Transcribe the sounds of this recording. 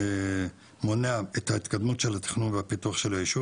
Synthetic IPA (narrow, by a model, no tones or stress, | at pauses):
moneaet̪hait̪kad̪mutʃelat̪i̥χnunveapit̪uaχʃelojiʃu